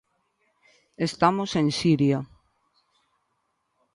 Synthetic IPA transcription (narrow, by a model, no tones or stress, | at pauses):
est̪amosẽnsiɾja